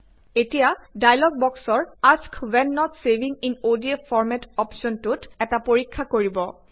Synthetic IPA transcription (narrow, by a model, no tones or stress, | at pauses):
etijadajlɔɡ̚bɔksɔɹaskʰwɛnːɔtsebʱĩŋinodiefʰɔɹmɛtɔpsɔntutɛtapoɹikʰːakoɹibɔ